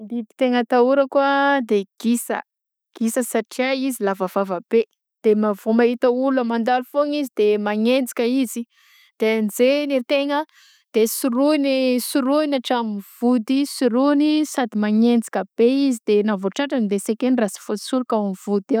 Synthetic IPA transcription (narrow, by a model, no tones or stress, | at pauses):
d̪id̪i̥t̪eŋət̪auɾəkuəd̪eɡ̥isə̰ | ɡ̥isəsaʈ͡ʂiaizilavəvavəbe | d̪̥emavomait̪əulamand̪alufoŋizid̪̥emaŋend͡zi̥kʲəizi | d̪̥eanizeneɾit̪eŋə | d̪̥esuɾuinisuɾuinaʈ͡ʂamiv̥ud̪isuɾunisad̪imaŋend͡zi̥kʲəb̥eizid̪enavoʈ͡ʂaʈ͡ʂanid̪esekenrasi̥fosuɾukaamv̥ud̪e